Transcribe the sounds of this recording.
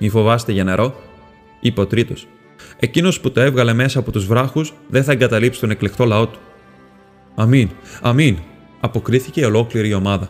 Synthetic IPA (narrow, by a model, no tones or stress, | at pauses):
mifo̞vɐst̪e̞ʝɐneɾʔo̞ | ipot̪ɾit̪o̞s | e̞cino̞sput̪o̞e̞vɣɐle̞me̞sɐːpo̞t̪uzvɾɐxusðe̞nθɐe̞ŋɡɐt̪ɐlipsi̥t̪o̞ne̞kle̞xt̪o̞lɐo̞t̪u̥ | ɐminɐmin | ɐpo̞kɾiθice̞io̞lo̞kliɾio̞mɐðɐ